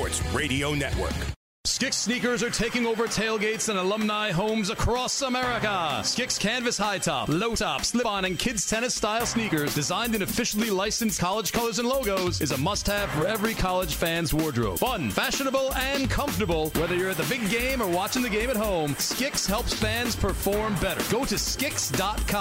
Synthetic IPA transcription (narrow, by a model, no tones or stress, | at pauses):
ɹtsɹeɪɾioʊnɛ̰ʔ̚wɜ̰˞k | skɪksnikə˞zə˞tʰeɪkɪ̃ŋoʊvə˞tʰeɪlˠɡeɪtsɨ̃nəlʌ̃mnaɪɦõʊ̃mzəkʰɹ̥ɔsəmɛɹɨkəskɪkskʰæ̃nvɨshaɪtʰɑ̰ploʊtʰɑpslɪb̃nɨ̃nkʰɪdz̥tʰɛñɨstaɪlˠsnikə˞zdɨzãɪ̃ndɨ̃nɨfɪʃl̩ˠilaɪsɨ̃n̩skʰɑlˠəd̥ʒ̥kʰʌlˠə˞zə̃nloʊɡoʊzɨzəmʌst̚hæ̥fə˞ɛvɹikʰɑlˠəd̥ʒ̥fæ̃nzwɔɹdɹo̰fʌ̃nfæʃɨnəbl̩ˠɨ̃nkʰʌ̃ɱftə˞bl̩ˠwɛðə˞jə˞ɨt̪̚ðɨbɪɡẽɪ̃mə˞wɑt͡ʃɪ̃ŋðɨɡẽɪ̃mɨt̚ɦõʊ̃mskɪkshɛlˠpsb̥æ̃nz̥pʰə˞fɔɹmbɛɾə̰˞ɡ̥oʊɾɨskɪksd̥ɑt̚kʰɑ